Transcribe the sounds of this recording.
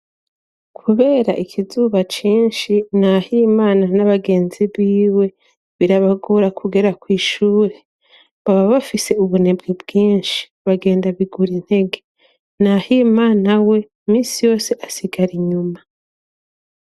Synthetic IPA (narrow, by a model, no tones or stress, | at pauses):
kʰuβe̞ːɾa̰ʔikʰizuːβat͡ʃiːnʃin̥ahiːmaːnanaβaɡe̞ːnziβiːwe̞ | βiɾaβaɡoɾakʰuɡe̞ɾakwiːʃuːɾe̞ | βaβaβafise̞uβune̞bɡibɡ̥iːnʃi̥βaɡe̞ːndaβiɡuɾin̥he̞ɡe̞ | nahiːmaːnawe̞ | miːsijo̞ːse̞ʔasiɡaɾiɲuma